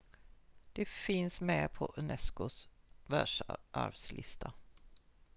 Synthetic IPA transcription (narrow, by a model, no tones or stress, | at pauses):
d̪̥ɛfɪnsmɛpʰɔʔɵnɛskʊsvæʂʔa̰ɾvslɪ̰st̪ʰa